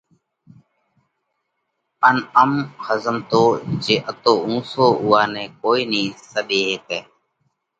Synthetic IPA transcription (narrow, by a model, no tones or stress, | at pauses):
ənəmxəzəmt̪oːd͡ʒeːʔət̪oːũːsoːʊːaːnẽːkoːiːnĩːsəɓeːɦeːt̪eː